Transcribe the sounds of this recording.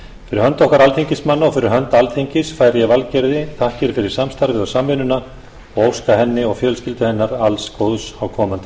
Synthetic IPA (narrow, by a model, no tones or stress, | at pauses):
fɪɾɪɾhœnt̪ɔhkaɾalt̪ʰeɲcɪsmanːaɔfɪɾɪɾɦœnt̪alt̪ʰejɲcɪsfaːjɾjɛvalcɛɾðɪθʰahcɪɾfɪɾɪɾ̥samst̪aɾðɪðɔsaːmvɪnʏna | ɔɣowskaɦɛnːɪɔɣfjœːlscɪlt̪ʏhɛnːaɾalskoːwðsawkʰɔːmant̪ɪ